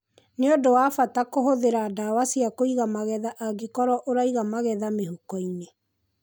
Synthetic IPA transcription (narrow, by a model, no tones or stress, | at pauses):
neodowafatakoɦoðeɾadawasiakoiɣamaɣɛðaʔaɡekɔɾɔʔoɾaiɣamaɣɛðameɦukɔine